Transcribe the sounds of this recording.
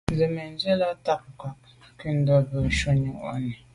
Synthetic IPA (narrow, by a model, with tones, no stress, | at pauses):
n˨zɛ˨mɛ˨n˦ze˦la˦ta˦p̚ŋ˨ka˨ʔ | ki˦˨n̩˦dɔ˦bə˨ʃɔ˦ɲu˨ʔa̰˦ni˨